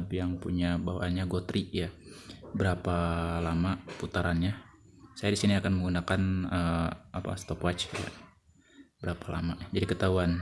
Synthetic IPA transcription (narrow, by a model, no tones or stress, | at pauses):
bjaŋpuɲabawa̰ɲaɡot̪ɾiʔjabəɾapalamaput̪aɾanɲa | sajadisiniakanməŋɡunakanəapa̰st̪ɔpwat͡ʃja̰ | bəɾapala̰mad͡ʒadikət̪auan